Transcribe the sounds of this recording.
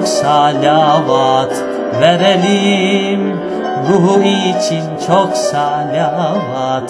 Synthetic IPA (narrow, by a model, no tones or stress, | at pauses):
ksaːlaːʋaːt̪ʰ | ʋɛɾɛlim | ɾuɦuit͡ʃʰint͡ʃʰoksalaʋaːt̪ʰ